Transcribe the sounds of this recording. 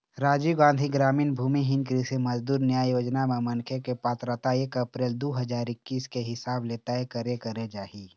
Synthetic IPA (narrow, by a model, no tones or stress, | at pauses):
ɾaːd͡ʒiɡãːnd̪ʱiɡɾaːmiːnbʱuːmiɦɪnkɾisemɐd͡ʒd̪uːɾnjaːjjoːd͡ʒnamẽmɐ̃nkʰekepaːt̪ɾət̪aekɐpɾeːld̪oɦəd͡ʒaːɾɪkːiːskeɦɪsaːbleːt̪aɦekəɾekəɾed͡ʒaːɦiː